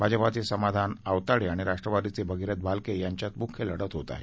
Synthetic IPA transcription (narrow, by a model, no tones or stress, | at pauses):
bʱad͡ʑəpat̪esəmad̪ʱanaʋt̪aɽiaɽ̃iɾaʂʈɾəʋad̪it͡sebəɡʱiɾət̪̚bʱalkejaɲt͡ɕjat̪mukʰjələɽət̪ɦot̪a̰ɦḛ